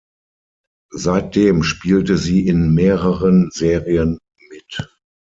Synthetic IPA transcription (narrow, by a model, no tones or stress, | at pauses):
zaɪt̚d̥eːmʃpiːltəziːɪnmeːʁəʁənzeːʁiən | mɪt